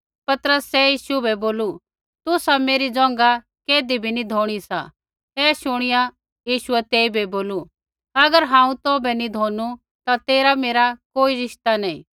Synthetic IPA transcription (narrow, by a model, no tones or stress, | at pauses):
pɐt̪əɾəsːɛjiːʃubɛboːlu | t̪ʊsameːɾid͡zɔ̃ːŋɡa | keːd̪ibʱinid̪ʱoːɽ̃isa̰ | ɛːʃʊɽ̃ɪja | jiːʃʊɛt̪eːibɛboːlu | ɐɡəɾɦãːũt̪oːbɛnid̪ʱoːnu | t̪at̪eːɾameːɾakoːiɾɪʃt̪anɐĩː